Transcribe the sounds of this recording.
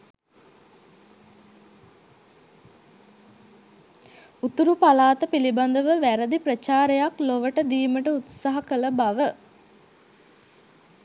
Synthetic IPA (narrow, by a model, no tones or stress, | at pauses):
ut̪uɾupalaːt̪əpiliband̪əʋəʋæɾəd̪ipɾət͡ʃaːɾejakloʋəʈəd̪iːməʈəut̪saɦɐkələbaʋə